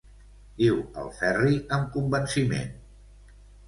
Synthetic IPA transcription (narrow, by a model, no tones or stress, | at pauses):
diwə̰lˠfɛriəmkumbənsimḛn